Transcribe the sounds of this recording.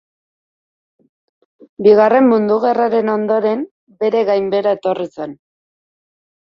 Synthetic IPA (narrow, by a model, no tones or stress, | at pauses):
biɣare̞mːund̪uɣe̞raɾe̞no̞nd̪o̞ɾe̞m | be̞ɾe̞ɣajmbe̞ɾae̞t̪o̞rit͡se̞n